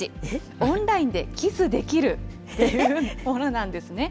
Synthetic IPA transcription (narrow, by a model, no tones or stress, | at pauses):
i | õnɾaĩnd̪e̞kʲisɨd̪e̞kʲiɾɯ̟ | t̪ːe̞jɯmõ̞no̞nãnd̪e̞sɨne̞